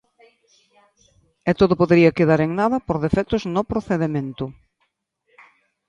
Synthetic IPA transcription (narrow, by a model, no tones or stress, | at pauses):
ɛt̪oðʊpoðeɾiɐkeðaɾeŋnaðɐpoɾðefɛt̪ʊznopɾoθeðemẽnt̪ʊ